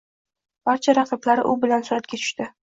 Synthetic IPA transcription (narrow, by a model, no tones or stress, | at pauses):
b̥aɾt͡ʃʰaɾɑqʰɨblaɾɪʔʊbɪlansʊɾat̪̚kʲat͡ʃ̪ʰʊ̥ʃt̪ɪ